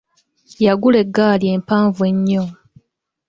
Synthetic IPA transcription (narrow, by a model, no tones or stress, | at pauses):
jaɡule̞ɡːaːlje̞ːmpaːɱvue̞ɲːo